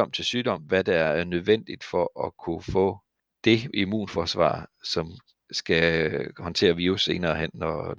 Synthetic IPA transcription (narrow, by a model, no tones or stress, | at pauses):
ɒ̽m̰t͡sʰe̝lsyːd̥ɒ̽m̰ʋæd̥ææɐæɐnøð̞ˠʋen̰d̥id̥fɒ̽ʔɒkʰufɔ̰̽ː | d̥e̝imṵːnfɒːsʋɑ̰̈sɒ̽m | sɡ̥æhɒ̽nt͡sʰe̝̰ːɐʋiːʊse̝ːnɐːhen̰ːɒ